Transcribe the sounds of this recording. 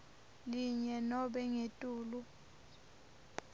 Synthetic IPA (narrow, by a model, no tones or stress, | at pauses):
liɲɛnɔɓɛŋetʼuːlu